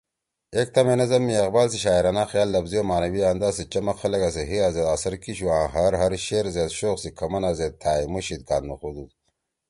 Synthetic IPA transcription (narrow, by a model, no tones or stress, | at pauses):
ek̚t̪ɐmenɐzɐmːiɐqbaːlsiɕaːiɾanaːxjaːlːɐbzijomaːnɐwiaːnd̪aːsit͡ɕɐmɐxɐlɐɡas̬eɦiazed̪asɐɾkiɕuãːɦɐɾɦɐɾɕeːɾzeːd̪ɕoːqsikʰɐmɐnaːzed̪̚t̪ʰaːimuɕit̪̚ka̰ːnmɐxod̪u